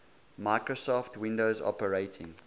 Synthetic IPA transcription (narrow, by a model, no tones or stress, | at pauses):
maɪkɹosɔftʰwɪ̃ndoʊzɔ̰pəɹeɪtʰɪ̰̃ŋ